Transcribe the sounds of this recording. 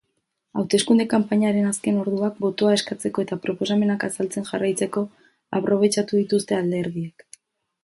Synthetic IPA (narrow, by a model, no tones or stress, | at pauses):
awt̪e̞skund̪e̞kampaɲaɾe̞naske̞no̞ɾðuak̚bo̞t̪o̞ae̞skat͡se̞ko̞e̞t̪apɾo̞po̞same̞nakasalt͡se̞nʝarajt͡se̞ko̞ | a̰pɾo̞β̞e̞t͡ʃat̪uðit̪ust̪e̞ald̪e̞ɾðiek